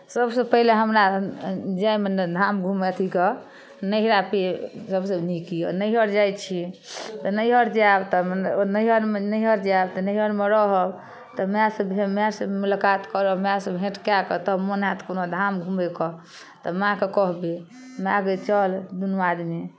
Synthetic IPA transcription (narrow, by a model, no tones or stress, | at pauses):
səbsẽpəɦileɦəmɾa | d͡ʒajmend̪ʱamɡʱumet̪ʰike | nəɦɾapesəbsəbnikinəiɦəɾd͡ʒajt͡ʃʰit̪ɔnəjɦəɾd͡ʒabt̪ɔmnnəjɦəɾmenəjɦəɾd͡ʒabt̪ɔnəjɦəɾmeɾɔɦɔb | t̪ɔmasəbemeasəbmulakat̪kəɾɔmasəbbʱẽʈkakɔt̪əmonat̪konod̪ʱamɡʱumekɔ | t̪ɔmãkekɔɦbe | maɡət͡ʃəld̪unwad̪mi